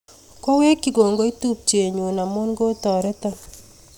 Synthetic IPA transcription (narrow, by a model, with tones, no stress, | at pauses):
kwa˦we˦ki˨ɡo˨ŋɡo˨˦i˦tu˦p̚t͡ʃe˨ɲu˨na˨mo˦nɡo˦tɔ˨ɾɛ˦tɔ˦